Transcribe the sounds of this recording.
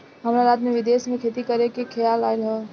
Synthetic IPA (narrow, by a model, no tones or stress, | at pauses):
ɦəmɾaɾaːt̪mẽʋɪd̪eːsmẽkʰet̪ikəɾekekʰejalaɪlɦɛ̃ː